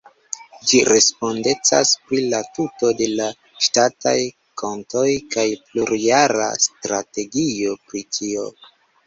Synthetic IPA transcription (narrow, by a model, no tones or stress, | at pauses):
d͡ʒiɾe̞spo̞nde̞t͡sa̰spɾilatuto̞de̞la | ʃtata̰j | kʰo̞nto̞jkajpluɾiaɾa̰stɾate̞ɡio̞pɾitʰio̞